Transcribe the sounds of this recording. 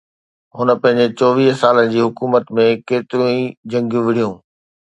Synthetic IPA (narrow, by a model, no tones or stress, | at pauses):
ɦʊnə̆pɐ̃ɦɪ̃ɲ̆d͡ʑet͡ɕɔːʋiːɦsaːlənɪ̆d͡ʑiːɦʊkuːmət̪mẽkeːt̪ɪɾũid͡ʑɐ̃ŋɡjũʋɪɽ̤ijũː